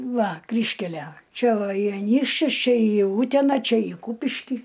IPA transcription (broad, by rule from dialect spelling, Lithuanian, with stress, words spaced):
ˈʋɐ ˈkrʲiːʃʲkʲælʲæ ˈt͡ʃʲɛ ʋɐ iː ɐˈnʲiːkʃʲt͡ʃʲʊs ˈt͡ʃʲɛ iː ˈuːtʲɛnɐ t͡ʃʲɛ ɪ ˈkuːpʲɪʃʲkʲiː